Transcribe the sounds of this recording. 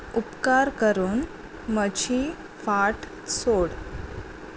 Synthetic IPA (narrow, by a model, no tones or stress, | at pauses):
upkaɾkəɾuːn | məd͡ʑi | faʈ | soɽ